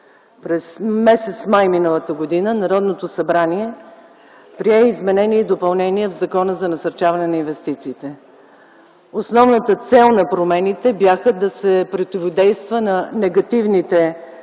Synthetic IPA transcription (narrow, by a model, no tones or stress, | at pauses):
pɾɛsmɛsɛt̪smajminəlˠət̪əɡod̪inənɐɾɔd̪not̪osɐbɾaniɛ | pɾiɛizmɛnɛniɛd̪opɐlˠnɛniɛvzɐkɔnəzɐnɐsɐɾt͡ʃavɐnɛnɐinvɛst̪it̪siːt̪ɛ | osnɔvnət̪ət̪sɛlˠnɐpɾomɛnit̪ɛbjaxəd̪ɐsɛpɾot̪ivod̪ɛjst̪vənɐnɛɡɐt̪ivnit̪ɛ